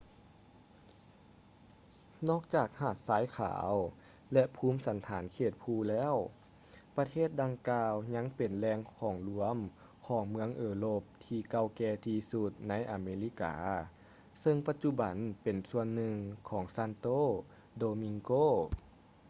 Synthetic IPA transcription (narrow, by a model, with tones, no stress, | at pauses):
nɔː˧˥˩k̚t͡ɕaː˨˩k̚haː˧˨˩t̪̚saː˨˦jkʰa̰ː˩˦w | lɛ˧ʔpʰuː˧˥˨msa˨˦nt̪ʰaː˨˩˦nkʰeː˧˩t̪̚pʰuː˧˩lɛː˧˥˨w | pa˧t̪ʰeː˥˩t̪̚da˧ŋkaː˧wɲa˧˥ŋpe˨˩nlɛː˧ŋkʰɔː˩˦ŋlu˧˩˦əm | kʰɔː˩˦ŋmɯ˧˥əŋʔɤː˧loː˧˩p̚t̪ʰiː˧ka˧˨wkɛː˧t̪ʰiː˧su˧t̪̚na˧˥jʔaː˨˩meː˧li˧˥ka̰ː˩ | sɤ˧ŋpa˧t̪̚t͡ɕu˧ba˨˩˦npe˨˩nsu˧ənːɯ˧ŋkʰɔː˩˦ŋsa˧˥nt̪oː˥˩ | doː˧mi˧ŋkoː˧˥˨